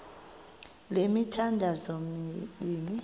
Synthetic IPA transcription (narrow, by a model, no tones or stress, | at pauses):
lemitʰandʱazɔmiːni